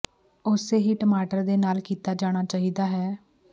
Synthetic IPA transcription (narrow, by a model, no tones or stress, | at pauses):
ʊseːɦiːʈəmaːʈəɾd̪eːnaːlkiːt̪aːd͡ʒaːɽ̃aːt͡ʃaːɦiːd̪aːɦɛː